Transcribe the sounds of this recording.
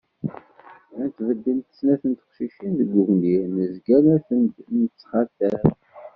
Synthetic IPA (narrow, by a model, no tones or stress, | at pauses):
ænt̪ːvəd̪ːint̪ə̥snæθənt̪ə̥χʃiʃinðəɡʊɣninəzɡæmæθənd̪nət͡sːχɑt̪ːæɾ